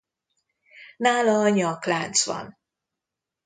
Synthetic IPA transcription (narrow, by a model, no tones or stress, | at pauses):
naːlɒːɲɒklaːnt̪sʋɒ̰n